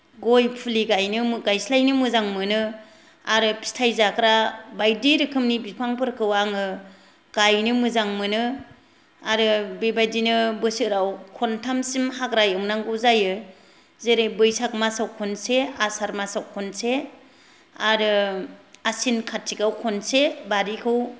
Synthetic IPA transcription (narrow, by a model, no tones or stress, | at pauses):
ɡojpʰuliɡajnɯmɯɡajslajnɯmɯzaŋmɯnɯ | aɾɯpʰi̥stʰajzakɾabajdiɾɯkʰɯmnibipʰaŋpʰɯɾkʰɯwaŋɯ | ɡ̥ajnɯmɯzaŋmɯnɯ | aɾɯbebajdinɯbɯsɯɾawkʰɔntʰamsimhakɾajɯwŋnaŋɡɯwzajɯ | zeɾejbɯjsak̚masawkʰɔnseasaɾmasawkʰɔnse | aɾɯ | asinkʰatʰːikawkʰɔnsebaɾikʰɯw